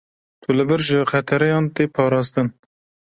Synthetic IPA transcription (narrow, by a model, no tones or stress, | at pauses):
t̪ʰulɨbɨɾʒɨqɛt̪ʰɛɾɛjɑːnt̪eːpʰɑːɾɑːst̪ɨn